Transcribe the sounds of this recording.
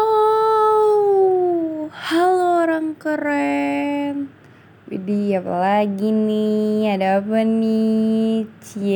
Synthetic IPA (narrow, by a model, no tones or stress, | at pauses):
o | haloːɾaŋkəɾɛ | n | wḭdiapa̰laɡiniadaːpani | t͡ʃi